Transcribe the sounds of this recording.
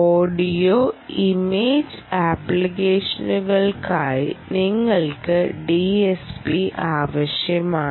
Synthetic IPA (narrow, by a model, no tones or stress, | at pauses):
oːɖijoːimeːd͡ʑ | aːplikeːʂɐnuɣɐɭkaːjniŋːɐɭkɨɖiespiʔaːʋɐɕjɐmaː